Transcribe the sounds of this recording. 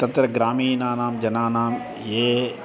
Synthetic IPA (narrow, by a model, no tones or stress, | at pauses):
t̪ɐt̪ɾɐɡɾaːmiːnaːnaːmd͡ʒɐnaːnaːm | jeː